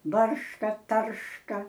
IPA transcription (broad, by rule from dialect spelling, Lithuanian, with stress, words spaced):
ˈbɐrʃkɐ ˈtɐrʃkɐ